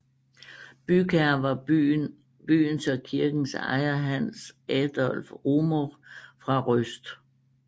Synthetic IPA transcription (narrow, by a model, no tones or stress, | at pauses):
b̥ykʰæɐʋɑ̈ | b̥y̰ːnsɒ̽kʰiɐɡ̥n̩sɑ̰̈ɪɐɦænsæd̥ɒlfʁumofʁɑ̈ʁøsd̥